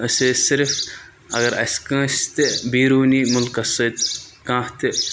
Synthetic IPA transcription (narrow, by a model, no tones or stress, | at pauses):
əsʲesɪɾf | ɐɡɐɾɐ̰skə̃ːst̪ebiːɾuːniːmʊlkɐsət̪kãːht̪ɨ